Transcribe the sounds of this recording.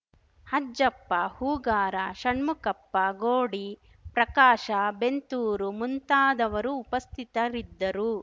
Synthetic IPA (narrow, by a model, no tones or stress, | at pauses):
hɐd͡ʒɐpːɐhuːɡaːɾaʃɐɳmukɐpːɐɡoːɽi | pɾɐkaːʃɐbent̪uːɾumunt̪aːd̪ɐʋɐɾuːpɐst̪ʰit̪ɐɾid̪ːɐɾu